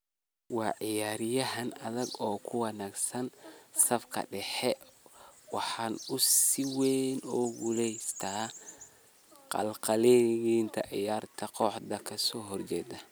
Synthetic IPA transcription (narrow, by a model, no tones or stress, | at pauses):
wɑːʕɪjaːɾɪjɐɦɐnɐðɐɡɔːkʰʊwɑnaːɡsɐnsɐfkʰɐ̰ɖɛħɛ | wɑħɑːnʊsɪwɛːnɔːɡulɛjst̪ʰaː | qɑ̰lqɑlɛjint̪ʰɐʕɪ̰jaːrt̪ʰɐqɔħd̪ɐkʰɐsɔːɦɔrt͡ʃɛːd̪ɐ